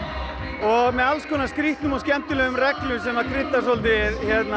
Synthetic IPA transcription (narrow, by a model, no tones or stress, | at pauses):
ɔɣmɛðalskʰɔːnaskɾiht̪nʏmɔscɛm̥t̪ʏlœːɣʏmrɛklʏsɛmvaɾkʰɾɪt̪ːasolt̪̬ɪðçɛt̪na